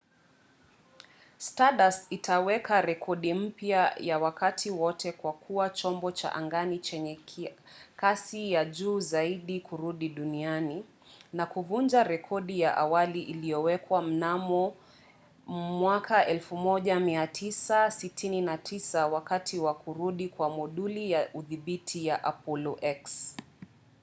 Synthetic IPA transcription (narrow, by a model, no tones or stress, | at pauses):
staɗasitʰawɛkaɾɛkʰɔɗim̩pjajawakatʰiwɔtɛkwakʰuwat͡ʃɔmbɔt͡ʃa̰ʔa̰ŋɡanit͡ʃɛɲɛ | kasijaʄuːzaiɗikuɾuɗiɗuniani | nakuvund͡ʒaɾɛkʰɔɗijaʔawaliʔilijɔwɛkwam̩namɔ | mwakʰaʔɛlfumɔʄamiatʰisasitʰininatʰisawakatʰiwakuɾuɗikwamuɗulijaʔuðiɓitʰijaʔapɔlɔʔɛks